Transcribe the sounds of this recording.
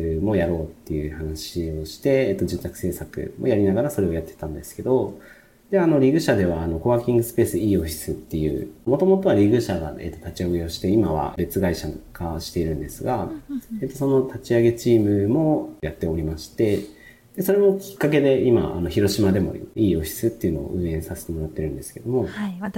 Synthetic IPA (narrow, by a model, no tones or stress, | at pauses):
mo̞jaɾo̞ːt̪ːe̞jɯ̟hanaɕio̞ɕi̥t̪e̞ːt̪ːo̞d͡ʑɨːt̪akɯ̟̥se̞ːsakɯ̟̰mo̞jaɾʲinaɡaɾaso̞ɾe̞o̞jat̪ːe̞̥t̪ãnd̪e̞sɨ̥ke̞d̪o̞ | d̪̥e̞ano̞ɾʲiɡɯ̟ɕad̪e̞β̞aːno̞ko̞βaːkʲĩŋɡɯ̟sɨ̥pe̞ːsɨiːo̞ɸʲi̥sɨt̪ːe̞jɯ̟̰ːmo̞t̪o̞mo̞t̪o̞β̞aɾʲiɡɯ̟ɕaɡa̰e̞̰t̪ːot̪at͡ɕiaɡe̞o̞ɕi̥t̪e̞imaβa̰be̞t͡sɨɡaiɕaɡaɕi̥t̪e̞iɾɯ̟̃nd̪e̞sɨɡaet̪ːo̞so̞no̞t̪ʰat͡ɕiaɡe̞t͡ɕiːmɯ̟mo̞jat̪ːe̞o̞ɾʲimaɕi̥t̪e̞ | d̪̥e̞so̞ɾe̞mo̞kʲi̥kːak̬e̞d̪e̞ima̰a̰no̞çiɾo̞ɕimad̪e̞mo̞̰iːo̞ɸʲi̥sɨt̪ːe̞iɯ̟no̞̰o̰ʔɯ̟̃ːẽ̞sase̞̥t̪emo̞ɾat̪ːe̞ɾɯ̟̃nd̪e̞sɨ̥ke̞d̪o̞mo̞